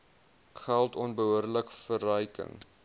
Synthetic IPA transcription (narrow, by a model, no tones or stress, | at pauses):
χælˠtɔnbəɦuərləkfərœjkə̰ŋ